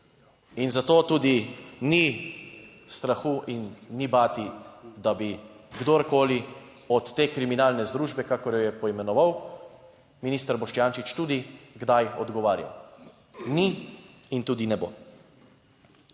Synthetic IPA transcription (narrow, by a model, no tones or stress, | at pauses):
inzat̪oːt̪uːd̪ini | st̪ɾaxuʔinːibaːt̪id̪abiɡd̪oɾkoːli | ɔt̪ːeːkɾiminaːlnɛzd̪ɾuːʒbɛkakɔɾjɔjɛpɔimɛnɔʋaw | miniːst̪əɾbɔʃt͡ʃjaːnt͡ʃit͡ʃt̪uːd̪iɡd̪ajɔ̰d̪ɡɔʋaːɾja̰w | niint̪uːd̪inɛbo̰ː